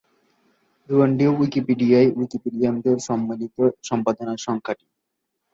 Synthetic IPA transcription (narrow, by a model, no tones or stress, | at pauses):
ɾuəɳɖiowikipiɖiajwikipiɖiamd̪eɾʃɔmːanit̪oʃɔmpad̪onaʃɔŋkʰaʈi̥